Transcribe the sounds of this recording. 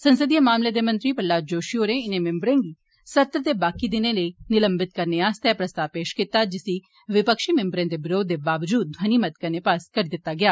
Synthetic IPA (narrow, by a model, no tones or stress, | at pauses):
sənsəd̪ijəmaːmled̪eːmɐ̃nt̪ɾipəlːaːd͡ʒoːʃioːɾẽːɪnẽmɛ̃mbɾẽːɡiː | sɐt̪ɾət̪eːbaːkid̪ɪnẽləinɪlə̃mbɪt̪kɐɾneaːst̪eɛpɾəst̪aːpeːʃkɪt̪ːaːd͡ʒɪsi | ʋɪpəkʃimɛ̃mbɾẽːd̪ebɪɾoːd̪ːebaːʋd͡ʒuːd̪̚ːʱwɐniːmət̪kəɾnepaːskəɾid̪ɪt̪ːaɡɪjaː